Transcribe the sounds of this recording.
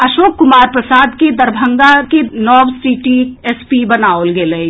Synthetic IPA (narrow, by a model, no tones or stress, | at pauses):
ɐʃoːkːʊmaːɾpɾɐsaːd̪ked̪ɐɾbʱə̃ŋɡakenɔːʋsiʈiespibɐnaːolɡeːle